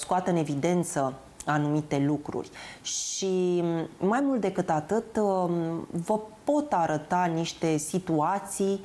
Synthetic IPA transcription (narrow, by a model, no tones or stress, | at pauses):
skuat̪əɨne̞vid̪e̞nt̪sə | anumit̪e̞lukɾṵrʲʃi | majmult̪̚d̪e̞kɨt̪at̪ɨt̪ | vəpo̞t̪aɾət̪aniʃt̪e̞sit̪uat̪sij